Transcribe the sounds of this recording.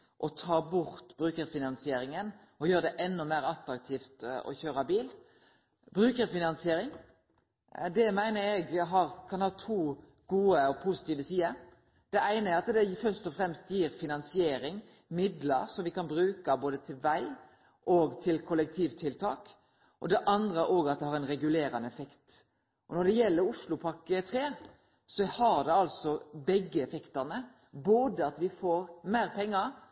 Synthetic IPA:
ʔɔt̪ʰɑːbʊɾt̪bɾʉːkəɾfɪnɑnsɪeːɾɪŋən | ɔjøːɾəd̪ɛʔɛnːɔmeːɾɑt̪ɾɑk̚t̪ʰiːft̪ɔ̰çøːɾɑbiːl | bɾʉːkəɾfɪnɑnsɪeːɾɪŋ | d̪ɛmæɪnəɾɛɡɦɑːɾkʰɑnhɑːt̪ʰuː | ɡ̥uːəɔpʰʊsɪ̥t̪iːʋəsiːəɾ | d̪̥ɛæɪnəɛɑt̪d̪ɛfœʁst̪ɔfɾɛmst̪jiːɾfɪnɑnsɪeːɾɪŋ | mɪd̪ləɾsɔmʋɪkʰɑnbɾʉːkɑboːd̪ət̪ʰɪlʋæɪ | ʔɔɡt̪ʰɪlkʰɔlɛk̚t̪ʰiːʋt̪ʰɪlt̪ʰɑːk | ʔɔd̪ɛʔɑnd̪ɾəʔoːɡɑt̪̚d̪ɛhɑɾɛɪnɾɛɡʉleːɾɑnəɛfɛkt̪ | ʔɔnɔɖ̪ɛjɛlːəɾʊʂlʊpʰɑkːət̪ʰɾeː | sɔhɑʁd̪ɛɑlsɔbɛɡːəɛfɛkt̪əʁnə | boːd̪əɑt̪ʋɪfoːɾmæːɾpʰɛŋːəɾ

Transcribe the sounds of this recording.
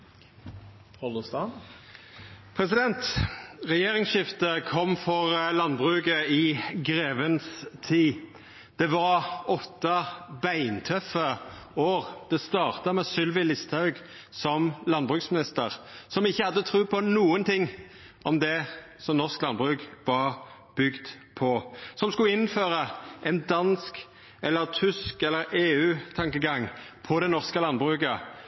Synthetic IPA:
ɔlst̪ɑ | pʰɾɛsɪd̪ɛnt̪ʁɛjeːɾɪŋsʃɪft̪əkʰɔmːfɔʁlɑnbʁʉːɡəɪɡɾeːʋənst̪ʰiː | d̪̥ɛʋɑʁɔt̪ːɑbæɪnt̪ʰœfə | oːʁd̪̥ɛst̪ɑːʁt̪ɑmɛsʏlʋɪlɪst̪ʰhɑʉɡ | sɔmlɑnbʁʉksmɪnɪst̪əʁsɔmɪçːəhɑd̪ːət̪ʰɾʉːpʰɔnuːənt̪ʰɪŋː | ʔɔmd̪ɛ | sɔmnɔʁsklɑnbʁʉkʋɑʁ | b̥ʏɡd̪ | pʰɔsɔmskʉɪnføːɾəʔɛnd̪ɑnsk | ɛlːəɾt̪ʰʏskɛlːəɾeːʉːt̪ʰɑŋkəɡɑŋːpʰɔd̪ɛnɔʁskəlɑnbʁʉkə

